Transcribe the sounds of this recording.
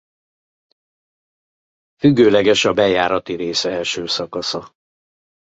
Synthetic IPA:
fyɡːøːlɛɡɛʃɒbɛjaːɾɒt̪iɾeːsɛlʃøːsɒkɒsɒ

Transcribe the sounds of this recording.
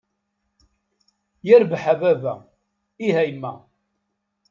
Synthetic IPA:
jæɾbħavævæ | iɦæjmːæ̰

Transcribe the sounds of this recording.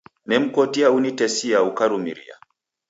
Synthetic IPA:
mɛm̩kɔtiaunitɛsiaukaɾumḭɾḭa̰

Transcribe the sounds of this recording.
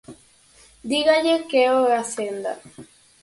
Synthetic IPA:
d̪iɣad͡ʒekeoeasend̪a̰

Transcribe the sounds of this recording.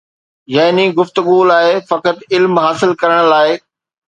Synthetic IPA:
jaːɦniɡʊft̪ʊɠulaːɪfɐkət̪ɪlmɦaːsɪlkɐɾəɽ̃laːɪ

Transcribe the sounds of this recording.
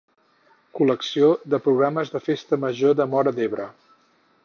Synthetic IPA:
kuləksioðəpɾuɣɾaməzðəfest̪əməʒoðəmɔɾəd̪eβɾə

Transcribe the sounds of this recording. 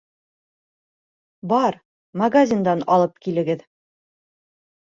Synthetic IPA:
bɒɾ | mɐɡazʲind̪ɑnɒ̰lˠɤp̚kilɘ̆ɡɘð

